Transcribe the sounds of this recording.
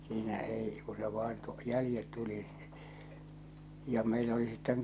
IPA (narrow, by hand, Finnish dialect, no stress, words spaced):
siːnæ ei ku se ʋɑin tu jælĭjet tuli jɑ meilæ oli sitːeŋ